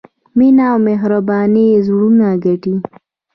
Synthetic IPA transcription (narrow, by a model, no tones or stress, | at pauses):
minawmeɦɾabɑːnizɽunaɡaʈi